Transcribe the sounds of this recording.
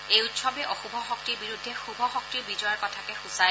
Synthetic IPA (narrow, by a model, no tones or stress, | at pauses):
ejutsɔbɛʔɔxubʱɔxɔk̚tiɹbiɹudʱːɛxubʱɔxɔk̚tiɹbid͡ʒɔjaɹkɔtʰakɛxusa